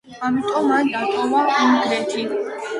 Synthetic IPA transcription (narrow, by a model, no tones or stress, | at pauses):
amit̪ʼɔmːand̪aqʼɔvaumɡɾɛt̪ʰi